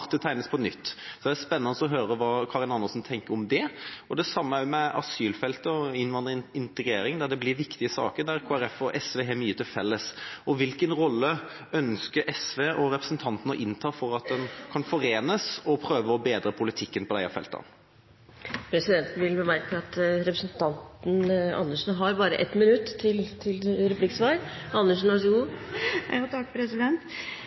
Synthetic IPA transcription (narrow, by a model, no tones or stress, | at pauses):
ʁt̪ət̪ʰæɪnəspʰɔnʏt̪ːsɔd̪ɛæspɛnːɑnəsɔɦøːɾəʋɑːkʰɑːɾɪnɑnːəsn̩t̪ʰɛŋkəɾɔmd̪ɛɔd̪ɛsɑmːəæɾjʊmɛʔɑ̰syːlfɛlt̪əɔɪnʋɑnd̪ɾəɪnt̪əɡɾeːɾɪŋd̪æɾd̪ɛblɪʋɪkt̪ɪəsɑ̰ːkəd̪æɾkʰoːæɾɛfɔʔɛsʋeːɦɛmyːət̪ʰɪlfɛlːəsɔʋɪlkənɾɔlːə | œnskəɾʔɛsʋeːʔɔɾɛpɾəsənt̪ʰɑnt̪nɔʔɪnt̪ʰɑːfɔɾɑt̪̚d̪ɛnkʰɑnfɔɾeːnəsɔpʰɾøːʋəɾɔbeːd̪ɾəpʰʊlɪt̪ʰɪkːənpʰɔd̪æɪɑ̰fɛ̰lt̪ɑ̰n | pʰɾɛsɪd̪ɛnt̪ʋɪlbəmæɾkəɑt̪ɾɛpɾəsnt̪ʰɑnt̪n̩ɑ̰nːəʂn̩ɦɑɾbɑːɾə̰ʔɛ̰t̪ːmɪnʉt̪ːt̪ʰːɪlt̪ʰɪlɾɛplɪkːsʋɑːɾɑnːəʂn̩ɑʂɡuː | t̪ʰɑkːpʰɾɛsɪd̪ɛnt̪